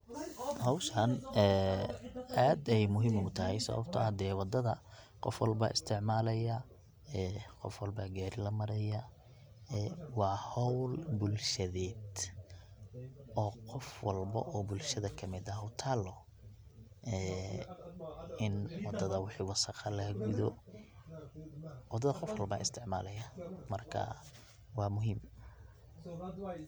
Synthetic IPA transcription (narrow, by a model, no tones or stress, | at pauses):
hɔwʃɐnɛː | aːd̪ɛjmʊɦimʊt̪ʰɐɦɛjsɐ̰βɐ̰bt̪ʰɐ̰hɐd̪ɛːwɑd̪ɐðɐ | qɔfwɑlbɐ̰ʔɪ̰st̪ʰɪʕmaːlɐjɐ | ɛqɔfwɑlbɐɡaːɾɪlɐmɐɾɛjɐ | ɛwɑːʕhɔwlbʊlʃɐðɛːd̪ | ɔːqɔfwɑlbɐ̰ʔɔːbʊlʃɐðɐkʰɐmɪd̪ɐhʊt̪ʰaːlɔ | ʔɛː | ɪnwɑd̪ɐðɐwɪħiːwɑsɑqɑlɐhɡʊðɔ | wɑd̪ɐðɐqɔfwɑlbaːʔɪst̪ʰɪʕmaːlɐjɐmɐrkʰɐ̰ | wɑːmʊɦiːm